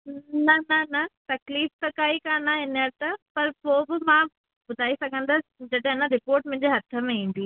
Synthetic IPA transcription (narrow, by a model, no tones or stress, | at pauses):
nɐnɐnɐt̪ɐkliːft̪ɐkaːikaːnaɦɪnəɾt̪ɐpɐɾpoːbɪmãː | bʊd̪ʱaːisɐɡʱə̃nd̪ɐd͡ʑɐɖɦɐnəɾɪpoːɾʈ̚mʊ̃ɦɪ̃ɲd͡ʑeɦɐt̪ʰəmẽĩːn̆d̪ʱiː